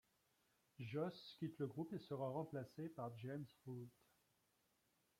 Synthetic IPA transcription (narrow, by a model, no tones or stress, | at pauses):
ʒɔskʲit̪ləɡʁupesəʁaʁɑ̃plasepaʁd͡ʒemsʁult̪